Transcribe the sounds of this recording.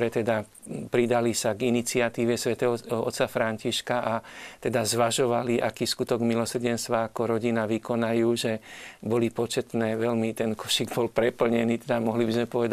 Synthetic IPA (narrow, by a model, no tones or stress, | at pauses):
ɾɛt̪ɛd̪a | pɾid̪alisaɡinit͡sɪat̪iːʋɛsʋɛt̪ɛːɦɔʔɔ̰t̪safɾaɲciʃkaʔat̪ɛd̪azʋaʒɔʋaliʔakiːskut̪ɔɡmilɔsrɟɛnst̪ʋaːkɔɾɔɟinaʋikɔnajuːʒɛbɔlipɔt͡ʃɛt̪nɛːʋɛlmit̪ɛnkɔ̥ʃiɡbɔlpɾɛpl̩ɲɛniːt̪ɛd̪amɔɦlibizmɛpɔʋɛd̪a